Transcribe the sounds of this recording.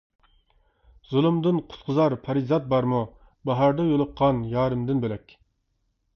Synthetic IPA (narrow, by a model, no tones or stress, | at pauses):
z̥ulˠumd̪ɨnqʰʊ̥t̪qʰəzɑɾpʰɑɾizɑt̪̚bɑɾmu | bɑɦɑɾd̪ɑjolˠʊqʰːɑnjɑːɾɨmd̪ɪnbelɛkʲ